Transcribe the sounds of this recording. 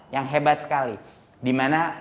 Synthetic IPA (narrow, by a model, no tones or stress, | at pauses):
jaŋɦebat̪̚sə̥kali | dimana